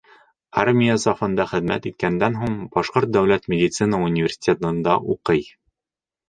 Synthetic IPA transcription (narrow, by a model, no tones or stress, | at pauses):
armʲijəsɑfɤ̆nd̪ɑχɘ̆ðmæ̰t̪it̪̚kænd̪ænɦuɴb̥ɒʃqoɾt̪̚d̪æwlæt̪mʲɪd̪ʲit̪sɨnəunʲɪvʲɪrsʲɪ̥tʲet̪ɤ̆nd̪ɑʔuqɤj